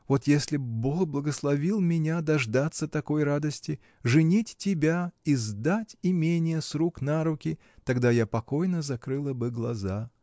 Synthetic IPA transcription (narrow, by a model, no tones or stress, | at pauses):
vo̞t̪jesʲlʲɪboxblˠəɡəslˠɐvʲilˠmʲɪnʲad̪ɐʐd̪at̪sːət̪ɐko̞jrad̪əsʲtʲɪ | ʐɨnʲitʲtːʲɪbʲaizd̪atʲɪmʲenʲɪjəsɾuknaɾʊkʲɪ | t̪ɐɡd̪ajapɐko̞jnəzɐkɾɨlˠəbɨɡlˠɐza